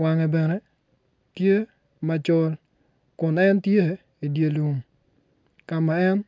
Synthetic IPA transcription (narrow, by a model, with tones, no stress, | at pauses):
wa˨ŋɛ˨bɛ˨nɛ˦ | tje˦ | ma˨t͡ʃɔ˦l | kʊ˨nɛ˦ntje˦ | i˨dje˨lu˨ŋ | ka˨ma˨ɛ˦n